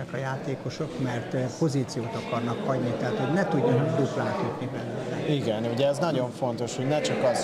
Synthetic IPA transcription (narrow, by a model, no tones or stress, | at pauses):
ɛkɒjaːt̪eːko̞ʃokmɛrt̪po̞zit̪sijoːt̪ɒkɒrnɒkhɒɟnit̪ɛɦaːt̪hoɟnɛt̪uɟːɒnd̪uklaːk̪yt̪nibɛløːlɛiɡɛnuɟɛːznɒɟo̞ɱfo̞nt̪o̞ʃho̞ɟnɛt͡ʃɒkɒz